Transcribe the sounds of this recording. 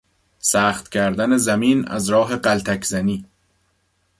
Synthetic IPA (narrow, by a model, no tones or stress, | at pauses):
sæːχt̪cʲʰæɾd̪æne̞zæmiːnæ̰zɾɒːɦe̞ɢælt̪ʰækʰz̥æniː